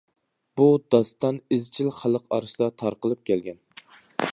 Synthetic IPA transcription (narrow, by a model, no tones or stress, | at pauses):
b̥ud̪ɑst̪ɑnɪzt͡ʃʰilχælˠəqɑ̰ɾɨʃd̪ɑt̪ʰɑɾqəlˠɨp̚kʲʰɛlɡʲɛn